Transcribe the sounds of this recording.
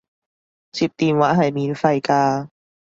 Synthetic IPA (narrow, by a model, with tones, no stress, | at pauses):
t͡siː˨˧p̚t̪iː˨nwaː˨˥ɦɐ˨jmiː˨nfɐ˨˧jkaː˧